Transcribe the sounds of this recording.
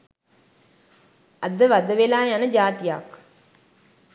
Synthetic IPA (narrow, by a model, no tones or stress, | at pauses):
ad̪əʋad̪əʋelaːjanəd͡ʒaːt̪ija̰k